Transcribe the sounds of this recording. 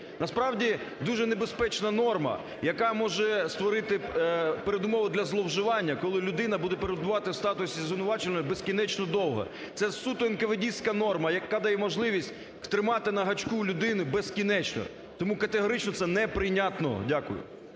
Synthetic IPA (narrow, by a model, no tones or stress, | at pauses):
nɐspɾɑwdʲid̪uʒɛnebespɛt͡ʃnɐnɔrmɐ̰ | jɐkamɔʒɛst̪ʋɔɾɪt̪ɪpeɾed̪ʊmɔʋʊd̪lʲɐzlˠɔwʒɪʋɑnʲːɐkɔlˠɪlʲʊd̪ɪn̪ɐbud̪ɛpeɾed̪̚bʊʋɑt̪ɪwst̪ɑt̪ʊsʲizʋʲɪnʊʋɑt͡ʃɪnʲbeskʲinɛt͡ʃnɔd̪ɔwɦɐ̰ | t̪sɛsut̪ʊɪnkɐʋedʲisʲkɐnɔrmɐjɐkad̪ɐjɛmɔʒlˠɪʋʲisʲtʲ | t̪ɾɪmɑt̪ɪnɐɦɐt͡ʃkulʲʊd̪ɪnɪbeskʲinɛt͡ʃnɔ̰ | t̪ɔmukɐt̪eɦɔɾɪt͡ʃnɔt̪sɛnɛpɾɪnʲat̪nɔ̰dʲakʊ̰jʊ̰